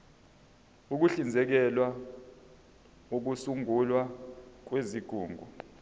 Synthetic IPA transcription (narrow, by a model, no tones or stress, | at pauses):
uk̬uɬind͡zʱɛk̬ɛlwa | uk̬usuŋulwak̬weziɡ̥ʱuːŋɡʱu